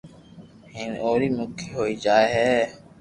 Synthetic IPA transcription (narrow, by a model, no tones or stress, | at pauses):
ɦɪnoːɾiːmʊkʰiːɦoːiːd͡ʒaːeːɦɛː